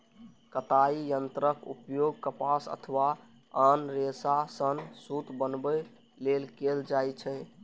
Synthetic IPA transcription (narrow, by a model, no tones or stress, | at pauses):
kət̪aijənt̪ɾəkṵpjoɡ̚kəpasə̰t̪ʰəʋa | anɾesasənsut̪bənbə | lelkeld͡ʒajt͡ʃʰɛ